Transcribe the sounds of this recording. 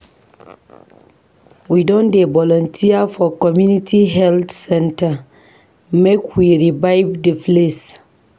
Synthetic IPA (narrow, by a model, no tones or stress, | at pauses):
widɔ̃ndebɔlɔ̃ntʰiafɔkɔmjunitʰiɦɛltsɛ̃nta | mekʰwiɹivaɪvdəfles